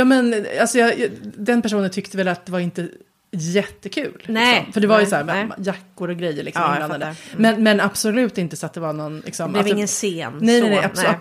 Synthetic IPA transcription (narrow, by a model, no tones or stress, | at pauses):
jɑːmɛnalsɔjɑjd̪ɛnpæʂ̬uːnənt̪ʰʏkt̪əvɛlat̪̚d̪ɛvaɾɪnt̪ə | jɛt̪ːəkʰʉ̟̰ːlnɪkɔmfœɖɛvajəsɔhæːɾjakːʊɾɔɡɾɛjːəɾɭɪksɔb̪anad̪əmɛnmɛnab̥sɔlʉ̟ːt̪ɪnt̪əsat̪̚d̪ɛvaɾnɔnlɪ̰ksɔmvɪŋːənseːnnɛjnɛnɛɪas